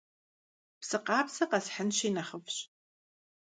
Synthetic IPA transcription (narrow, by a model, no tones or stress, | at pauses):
psɨqɑːpsɐqɐsħənɕinɐχəpʰɕ